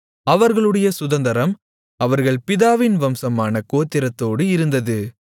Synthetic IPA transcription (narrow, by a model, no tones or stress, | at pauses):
ɐʋɐɾɣɐɭɯɽɐjɐsʊðɐnd̪ɐɾɐm | ɐʋɐɾɣɐɭpɪðaːʋɪnʋɐmsɐmaːnɐkoːt̪ːɪɾɐt̪ːoːɽɯɪɾɯnd̪ɐðɯ